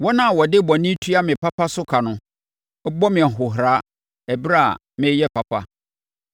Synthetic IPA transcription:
wɔ˦nã˦˨wɔ˨dɪ˦bɔ˨nĩ˦tʰu˦a˦mɪ̃˨pʰa˦pa˦sʊ˦kʰa˨nʊ̃˦ | ɔ˦bɔ˦mɪ̃˨ɛ˨ɦʊ˨ɦɾa˨˦ | ɛ˨bɾa˦˨a̰˨ | mɪ̃˦jɛ˦pʰa˨pʰa̰˦

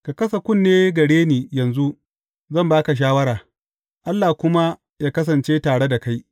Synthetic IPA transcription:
ka˨kɐ˦sɐ˨kʷʊ˦nːeː˦ɡɐ˨ɽeː˦niː˨jɐ˨nzu˦ | zɐ˦˨mbaː˦ka˨ʃ̬aː˦wɐ˦ɾaː˨ | ʔa˦lːaː˨kʷʊ˦ma˦ | jaː˦kɐ˦s̬ɐ˨nt͡ʃeː˦taː˨ɽe˦da˨ka˦j

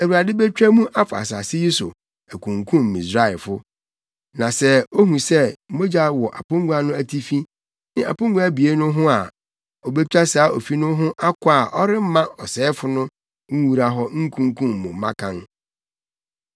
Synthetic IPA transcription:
æ˨wu˨a˨dɪ˦bɛ˦t͡ɕᶣæ˦mũ˦ʔa˦fʊ˨a̰˨sa˨sɪ˦ji˦sʊ˨ | æ˨kʰũ˨ŋkʰũ˦m̩ː˨ĩ˨sɾa˦ɪ˨fʊ˦ | nã˨sɛ˦o˦ɦũ˨sɛ˦mo˦d͡ʑa˦wɔ˨ʔa̰˨pʊ̃˦ŋɡu˦a˦nʊ̃˦æ˨tʰi˦fi˦ | nɪ̃˦a̰˨pʊ̃˦ŋɡu˦a˦bi˨e˦nʊ̃˦ɦʊ̃˦a˨ | ɔ˨be˦t͡ɕᶣa˦saː˨˦ʔo˨fi˦nʊ̃˦ɦʊ̃˦ʔa˦kʊ˦a˦˨ʔɔ˦ɾɪ˦m̩˦mã˦ɔ˨sɛː˨˦fʊ˨nʊ̃˦ | ŋ̩˦wu˨ɾa˦ɦɔ˦ŋ̩˦kʰũ˦ŋ˦kʰũ˦m̩ː˨ʊ̃˨˦mã˦kʰã˦n

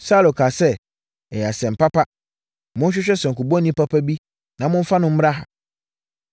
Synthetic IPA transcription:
sa˦lo˨kʰaː˨sɛ˦ | ɛ˨ja˨sɛ̃˨m̩˨pa˦pa˦ | mʊ̃˦n˦ɕᶣɪ˦ɕᶣɛ˦sɛ˨ŋ̩˨ku˨bɔ̃˦nĩ˦pa˦pʰa˦bi˦ | nã˨˦mʊ̃˦ɱ̩˦fa˦nʊ̃˦m̩˦m˦ɾa˦ɦa̰˨

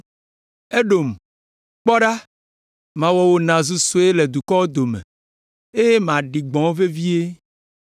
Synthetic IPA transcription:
e˦ɖo˨m˨ | k͡pɔ˦ɖa˦ | mã˨wɔ˨wo˦nã˨zu˦so˦e˦le˨d̪u˨kɔ˦wo˦d̪o˨mḛ˨ | e˦je˦mã˨ɖi˨ɡ͡bɔ̃˨˦wve˦vi˦e˦

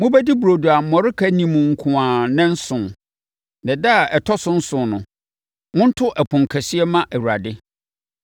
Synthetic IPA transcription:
mʊ̃˦bæ˦di˦bu˨ɾo˨du˨a˨m̩˨mɔ˨ɾɪ˦kʰæ˦nĩ˨mʊ̃˨ŋ̩˨kʰʊ̃˨ãː˨nɛ̃˦n̩˦sʊ̃˨ | nɛ̃˨da˦a˨ʔɛ˨tʰɔ˦sʊ̃˦n̩˦sʊ̃˨nʊ̃˨ | ŋʊ̃˦n̩˦tʰʊ˦ʔɛ˨pʰʊ̃˨ŋ˨kʰɛ˨si˦ɛ˦mã˦ʔɛ˨wu˨ɾa˨dɪ˦

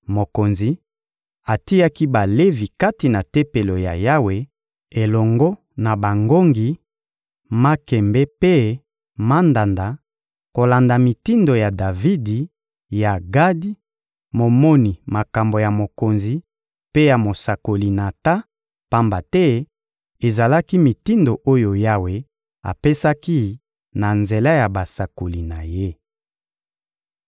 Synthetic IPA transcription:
mo˨ko˨nzi˨ | a˨ti˦ja˦ki˦ba˨le˦vi˨ka˦ti˨na˨te˦pe˨lo˨ja̰˨ja˦we˨ | e˨lɔ˨ŋɡɔ˦ | na˨ba˨ŋɡo˦ŋɡi˨ | ma˦kɛ˨mbɛ˦pe˦ | ma˦nda˨nda˨ | ko˨la˨nda˨mi˨ti˦ndo˨ja˨da˨vi˦di˨ | ja˨ɡa˦di˦ | mo˨mɔ˦ni˨ma˨ka˨mbo˨ja˨mo˨ko˨nzi˨ | pe˦ja˨mo˨sa˨ko˨li˨na˨ta˦ | pa˦mba˨tɛ˦ | e˨za˨la˦ki˦mi˨ti˦ndo˨ʔo˦jo˨ja˦we˨ | a̰˨pe˦sa˦ki˦ | na˨nze˨la˦ja˨ba˨sa˨ko˨li˨na˨je˦

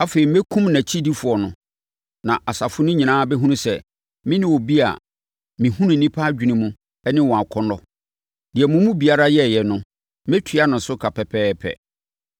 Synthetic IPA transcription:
a˦fe˨ɾi˨m˦e˦kʰũ˦mnæ̃˨t͡ɕʰi˦di˦fʊ˨ɔ˨nʊ̃˨ | nã˨ʔa˨sa˨fʊ˦nʊ̃˦ɲĩ˨nãː˦bɛ˦ɦũ˦nũ˦sɛ˨ | mɪ̃˦nɪ̃˦wɔ˨bi˦a̰˨ | mɪ̃˨hũ˦nũ˨nĩ˦pʰa˦d͡ʑᶣi˨nĩ˨mũ˦ | ɛ˦nɪ̃˦wɔ̃˨a˨kʰɔ˦nɔ˦ | d̥ɪ˨ɛ˨mʊ̃˨˦mũ˦bi˨a˦ɾa˦jɛ˦˨jɛ˨nʊ̃˦ | m˦ɛ˦tʰɥa˦nʊ̃˨˦sʊ˦kʰa˨pʰɛ˨pʰɛː˦pʰɛ̰˨

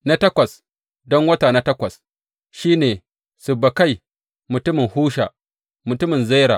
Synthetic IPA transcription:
na˦tɐ˦kʷɐ˨s | dɔ˦ŋwɐ˦taː˨na˦tɐ˦kʷɐ˨s | ʃiː˦neː˨ | sʊ˨bːɐ˨ka˦˨j | mʊ˨tʊ˦mɪ˨ŋhuː˦ʃa̰ː˨ | mʊ˨tʊ˦mɪ˨nza˦jɾa̰ː˨

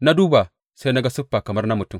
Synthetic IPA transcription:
na˦duː˦ba˨ | sa˦na˦ɡa˦su˦pːa˨kɐ˨mɐ˦rna˦mu˨tu˦m

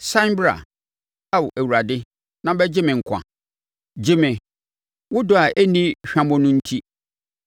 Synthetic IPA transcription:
sã˦mbɾa̰˨ | a˨wʔæ˨wu˨ɾa˨dɪ˦ | nã˦bɛ˦d͡ʑɪ˦mɪ̃˨ŋ̩˨kʷʰã̰˨ | d͡ʑɪ˦mɪ̃˨ | wʊ˦dʊ˦a˨ʔæ˦nĩ˦ɕᶣã˦mʊ̃˦nʊ̃˦n̩˦tʰi˦

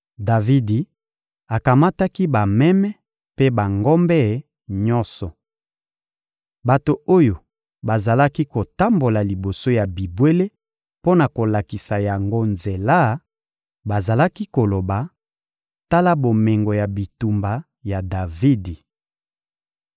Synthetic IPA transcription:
da˨vi˦di˨ | a˨ka˨ma˦ta˦ki˦ba˨mɛ˦mɛ˦ | pe˦ba˨ŋɡɔ˦mbɛ˦˨˦ | ɲɔ̃˦sɔ˨ | ba˨to˨o˦jo˨ | ba˨za˨la˦ki˦ko˨ta˦mbo˨la˨li˨bo˨so˦ja˨bi˨bwe˦le˦ | po˦na˨ko˨la˨ki˨sa˨ja˨ŋɡo˦nze˨la˦ | ba˨za˨la˦ki˦ko˨lo˨ba˨ | ta˦la˦bo˨me˨ŋɡo˨ja˨bi˨tu˨mba˨ | ja˨da˨vi˦di˨

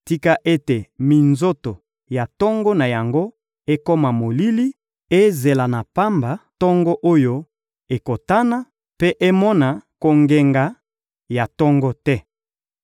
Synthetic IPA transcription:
ti˦ka˦ʔe˦te˨mi˨nzo˦to˨ | ja˨tɔ˦ŋɡɔ˦na˨ja˨ŋɡo˦ | e˦ko˦ma˨mo˨li˦li˦ | e˦ze˨la˨na˨pa˦mba˨tɔ˦ŋɡɔ˦ʔo˦jo˦ | e˨ko˨ta˦na˦ | pe˦ʔe˦mɔ˦na˨ko˨ŋɡe˨ŋɡa˨˦ | ja˨tɔ˦ŋɡɔ˦tɛ˦

